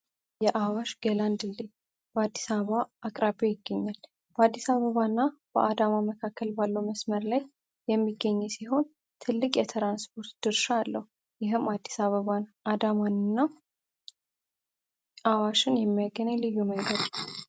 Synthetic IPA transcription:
jɛʔawaʃɡəland̪ɨlːi | b̥əad̪ːi̥saβaʔakʼɾabojɪɡːəɲːal | b̥əad̪ːisaβəβanːab̥əʔad̪amaməkʰakːəlbalːəwməsməɾlaj | jɛmːiɡːəɲːɛsiɦo̞n | t̪ʰɨlːɨkʼjɛt̪ʰɾanspʰo̞ɾt̪d̪̥ɨɾʃaːlːəhu | jɪɦɨmad̪ːi̥saβəβanad̪amanɨnːa | ʔawaʃɨnjɛmːijaɡənalɨjːuməŋɡəd̪

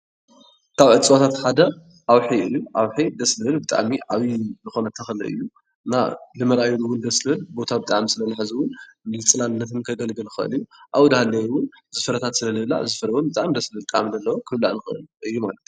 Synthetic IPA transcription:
kʰaβʕɨt͡sʼɨwat̪ʰat̪ħad̪ɐ | ʔawħiɨjːuʔawħid̪ɐslɨhɨlbɨt̪ʼa̰ʕmiʔaβizɨxo̞nɐt̪ʰːɐxɨlɐ̰ʔɨ̰jːu | ɨnːa̰lɨmɐɾajulɨwʊnd̪ɐslɨhɨlbo̞t̪ʰabɨt̪ʼaʕmsɨlɐnɨħɨzɨwʊnnɨlɨt͡sʼɨlanɨnːɐt̪ʰɨnkʰɐɡɐlɡɨlɨxɨʔɨ̰lɨjːuʔawd̪halːɐjwʊn | zɨfɨɾɐt̪ʰat̪sɨlɐlɨla̰ʔzɨfɨɾɐbombɨt̪ʼa̰md̪ɐslɨhɨlt̪ʼaʕmd̪ɐlːɐwokʰɨβla̰ʔnɨxɨʔɨ̰lɨjːumalɐt̪

